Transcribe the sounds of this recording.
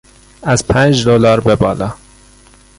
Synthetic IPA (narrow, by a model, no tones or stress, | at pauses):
æz̥pʰænd͡ʒd̪olɒːɾbebɒːlɒː